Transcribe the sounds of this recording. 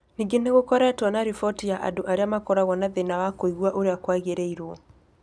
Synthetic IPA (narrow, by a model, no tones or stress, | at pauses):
niŋɡeneɣokɔɾatɔnaɾifɔtijaʔa̰doʔaɾeamakɔɾaɣɔnaðenawakoiɣwaʔoɾeakwaɣeɾɛiɾwɔ